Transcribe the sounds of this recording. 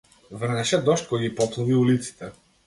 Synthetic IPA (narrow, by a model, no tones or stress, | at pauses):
vr̩nɛʃɛd̪ɔʃt̪̚kɔjɡipɔplˠuviulit̪si̥t̪ɛ